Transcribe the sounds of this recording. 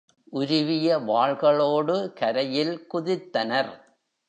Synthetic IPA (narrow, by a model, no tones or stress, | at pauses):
ʔʊɾɪʋɪjɐʋaːɻɣɐɭoːɽɯkɐɾɐjɪlkʊðɪt̪ːɐnɐɾ